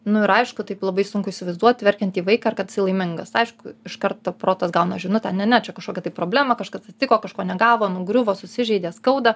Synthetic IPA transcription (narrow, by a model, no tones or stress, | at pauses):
nʊɪɾɐɪʃkʊt̪ɐɪplˠɐbɐɪsʊŋkʊɪʃʲsʲɪʋɐɪzd̪uɔt̪ʲʋʲɛɾʲkʲɛnt̪ʲiːʋɐɪkɑːɐrkɐt̪ʲsʲɪlˠɐɪmʲɪŋɡɐsɐɪʃkʊɪʃkɐɾt̪ɐpɾoːt̪ɐsɡɐʊnɐʒʲɪʊnʊt̪ʲɛnnʲɛnʲɛt͡ʃʲɛkɐʃkoːkʲɛt̪ɪpɾoːbʲlʲæːmɐkɐʃkɐsɐt̪ʲt̪ʲɪkoːkɐʃkoːnʲɛɡɑːʋoːnʊɡɾʲʊʋoːsʊsʲɪʒʲɛɪd̪ʲeːskɐʊd̪ɐ